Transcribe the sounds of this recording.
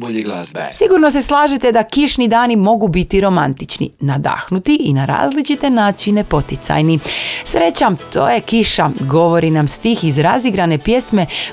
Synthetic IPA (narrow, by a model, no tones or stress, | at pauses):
siɡuɾno̞s̬e̞slˠaːʒet̪e̞d̪akiʃnid̪aːnimo̞ɡubit̪iɾo̞ma̰nt̪it͡ʃnḭnad̪a̰xnut̪iʔinaɾa̰ːzlit͡ʃit̪e̞naːt͡ʃinepo̞t̪it̪sa̰jnisɾe̞t͡ɕamt̪ʰo̞̰ːjekiʃaɡo̞ʋo̞ɾinamst̪iːxizɾaziɡɾane̞pje̞sme̞